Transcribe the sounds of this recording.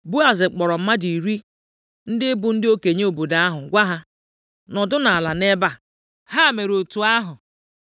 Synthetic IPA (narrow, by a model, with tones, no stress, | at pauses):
bu˦a˨zɪ˨k͡pɔ˨ɾɔ˨m̩˦ma˦di˨ɾi˦ | n̩˦dɪ˦bʊ˨n̩˦dɪ˦o˦ke˨ɲe˦o˨bo˨da˨˦a˦ɦʊ˨ɡʷa˦ɦa˦ | nɔ˨dʊ˦na˨a˨la˨ne˦ba˦ | ha˦˨me˨ɾo˨tu˨a˦ɦʊ˨